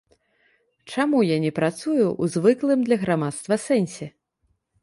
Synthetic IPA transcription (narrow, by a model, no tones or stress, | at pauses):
t͡ʂamujanʲɛpɾat̪sujuʔuzvɨklˠɨmd̪lʲɐɣɾamat̪st̪vɐsɛnʲsʲɛ